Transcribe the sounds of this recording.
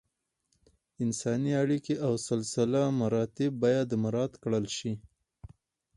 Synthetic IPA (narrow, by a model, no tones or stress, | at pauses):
ɪnsɑniaɽikeʔawsɪlsɪlamaɾɑt̪ɪb̚ːɑjad̪ːəmaɾɑd̪kɽəlʃi